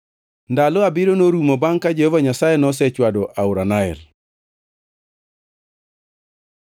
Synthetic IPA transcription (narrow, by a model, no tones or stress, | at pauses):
ndalɔabɪɾonoɾumɔbaŋkad͡ʒehovaɲasajɛnɔs̬ɛt͡ʃwadɔʔaʊɾanaɛ̰r